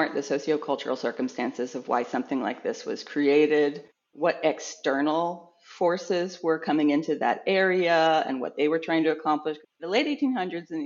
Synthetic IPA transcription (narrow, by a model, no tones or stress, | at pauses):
nðisoʊsioʊkʰʌlˠt͡ʃə̰˞l̩ˠsɜ̰˞km̩stæ̃nsɨzʌvwa̰ɪsʌ̃mθɪ̃ŋla̰ɪk̚ðɪswʌ̰z̥kʰɹ̥ieɪɾɪd̚ | wʌɾɛkstɜ˞nl̩ˠ | fɔɹsɪzwə˞kʰʌmɪ̃ŋɪ̃ntʉðɨ̰ɾɛɹiɨɨ̰̃nwʌ̰t̪̚ðeɪwə˞tʰɹ̥aɪɪ̃ŋtɨɨkʰɑ̃mpləʃ | ðəleɪɾeɪtʰĩnhʌ̃ndɹɨdzɨ̃n̩